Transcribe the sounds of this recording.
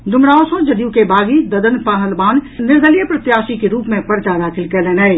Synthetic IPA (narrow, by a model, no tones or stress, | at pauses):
d̪ʱʊmɽaosõd͡ʒəd̪jukebʱaːɡid̪əd̪ənpəɦəlbaːnnɪɾd̪ʱəlijəpɾət̪jaːsikeɾuːpmẽpəɾt͡ʃad̪aːkʰɪlkɛlɛnɛɪ